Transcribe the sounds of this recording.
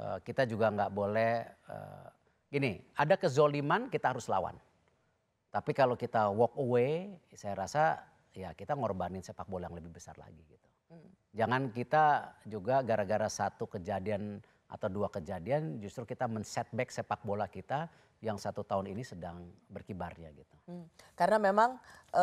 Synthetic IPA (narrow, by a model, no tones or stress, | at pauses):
ə̰kit̪ad͡ʒuɡaŋɡaʔbolɛhə̰ | ɡ̥iniadakəzolimankit̪aɦaɾʊsla̰wa̰n | t̪apikalokit̪awɔk̚uwesajaɾasa | jakit̪aŋorbanɪnsepak̚bolajaŋləbɪhbəsa̰rla̰ɡiɡit̪u̥ | d͡ʒaŋankit̪ad͡ʒuɡaɡaɾaɡaɾasat̪ukəd͡ʒadian | ʔa̰t̪awduakəd͡ʒadiand͡ʒust̪ɾukit̪amənsɛt̪̚bɛksepak̚bolakit̪a | jaŋsat̪ut̪aʊninisədaŋbərkibarɲa̰ɡit̪ukaɾnamemaŋ